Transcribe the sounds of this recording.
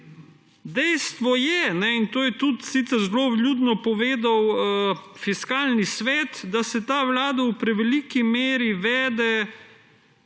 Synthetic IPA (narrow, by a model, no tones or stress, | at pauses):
d̪ɛjst̪ʋɔjɛnɛint̪oːjɛt̪ut̪sit̪sɛɾzloʋlʲjuːd̪nɔpɔʋeːd̪awəfiskaːlnisʋɛːt̪d̪asɛt̪aːʋlaːd̪awpɾɛʋɛlikimeːɾiʋɛːd̪ɛ